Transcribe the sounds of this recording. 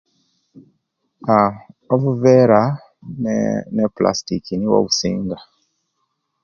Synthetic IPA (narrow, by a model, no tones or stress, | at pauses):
aoβuveɾa | nepla̰stikiniwo̰βusḭːŋɡa